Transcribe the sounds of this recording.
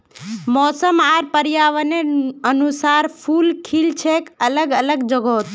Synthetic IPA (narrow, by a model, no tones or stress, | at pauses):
mɔːsəmaːɾpəɾjaːʋəneənusaːɾpʰuːlkʰilt͡ʃʰekələɡələɡd͡ʒəɡot̪